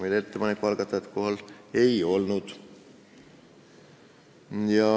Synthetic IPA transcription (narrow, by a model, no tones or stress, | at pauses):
melet̪ːepɑnekːˑuɑlɡ̥ɑt̪ːˑɑjɑt̪ko̞ɦɑle̞jo̞lnud̪̥ | jɑ